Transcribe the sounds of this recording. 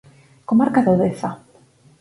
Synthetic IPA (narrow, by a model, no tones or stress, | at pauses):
komaɾkaðoðeθa